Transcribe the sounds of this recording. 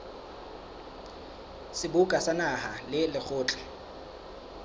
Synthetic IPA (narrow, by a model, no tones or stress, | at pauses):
sɪbʊkʼasanahalɪlɪk͡xʰʊːt͡ɬʼɛ̥